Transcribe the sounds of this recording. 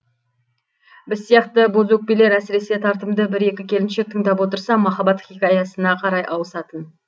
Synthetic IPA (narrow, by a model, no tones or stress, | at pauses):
bɪzsijɑqt̪əbozwɵk̚pele̞ɾæsɪɾe̞se̞t̪ʰɑɾt̪əmd̪əbɪɾe̞kʲɪkʲʰe̞lɪnʃe̞k̚t̪ʰəŋd̪ɑpwo̞t̪əɾsɑmɑχɑbɑt̪χʲikʲɑjɑsənɑqʰɑɾɑjʔɑwəsɑt̪ən